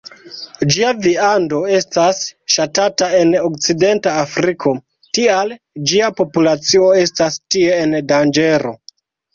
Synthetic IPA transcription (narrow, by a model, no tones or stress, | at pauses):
d͡ʒiaviando̞e̞stasʃatatae̞nokt͡side̞ntaːfɾikʰo̞ | tial | d͡ʒiapo̞pulat͡sio̞e̞stastie̞ːndand͡ʒe̞ɾo̞̰